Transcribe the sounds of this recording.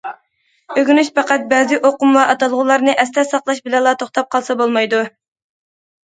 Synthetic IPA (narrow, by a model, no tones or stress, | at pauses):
øɡʲynyʃpɑqɑt̪̚bɛːzɪʔoqʊmvɑʔɑt̪ɑlˠʁʊlˠɑɾnɨʔɛst̪ɛsɑqlˠɑʃbɪlɛlˠɑːt̪ʰoχt̪ɑp̚qʰɑlˠsɑbolˠmɑjd̪u